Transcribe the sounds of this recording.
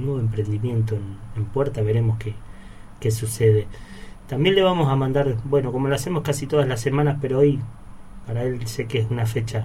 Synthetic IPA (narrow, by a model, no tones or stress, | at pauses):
nweβoempɾe̞nd̪imje̞nt̪oenempwe̞ɾt̪aβe̞ɾe̞moske | kesuseð̞et̪ambje̞nle̞βamo̞samãnd̪aɾbwe̞no̞ko̞mo̞loase̞mo̞skasit̪o̞ð̞azlase̞mãnaspe̞ɾoojpaɾae̞lse̞keesunafe̞t͡ʃa